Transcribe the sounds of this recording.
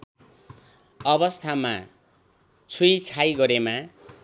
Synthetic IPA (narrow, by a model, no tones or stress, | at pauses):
ʌβʌst̪ʰama | t͡sʰujt͡sʰajɡʌɾema